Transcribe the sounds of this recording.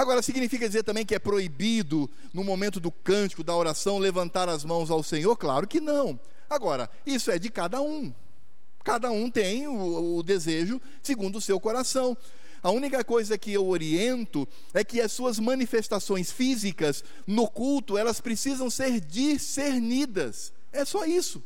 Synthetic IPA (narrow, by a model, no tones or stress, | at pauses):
aɡɔɾɐsiɡinifikɐd͡ʒizeɾt̪ɐ̃mbẽj̃kɪɛpɾoibid̪ʊ | nʊmomẽnt̪ʊd̪ʊkɐ̃nt͡ʃɪ̥kʊd̪ɐoɾasɐ̃w̃levɐ̃nt̪aɾɐzmɐ̃w̃zawsẽɲoɾklaɾʊkɪnɐ̃w̃ | aɡɔɾɐ̰ | isʊɛd͡ʒɪkad̪ɐũ | kad̪ɐũt̪ẽj̃ʊːd̪ezeʒʊ | sɪɡũnd̪ʊsewkoɾasɐ̃w̃ | ɐũnikɐkojzɐkɪewoɾiẽnt̪ʊ | ɛkɪɐsuɐzmɐ̃nifest̪asõj̃sfizikɐz | nʊkult̪ʊɛlɐspɾesizɐ̃w̃seɾd͡ʒiseɾnid̪ɐs | ɛsɔisʊ